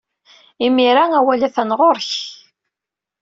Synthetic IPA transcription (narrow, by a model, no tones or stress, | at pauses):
imiɾæŋæwælæθænʁoɾç